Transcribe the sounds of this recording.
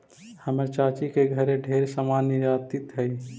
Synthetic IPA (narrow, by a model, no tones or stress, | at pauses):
həməɾt͡ʃaːt͡ʃikeɡʱəɾẽɖʱeːɾsamaːnːəd͡ʒaːt̪ɪt̪ɦɛi